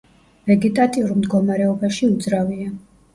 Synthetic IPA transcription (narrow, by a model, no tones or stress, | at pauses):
vɛɡit̪ʼat̪ʼiuɾmd̪ɡɔmaɾɛɔbaʃiud̪zɾavia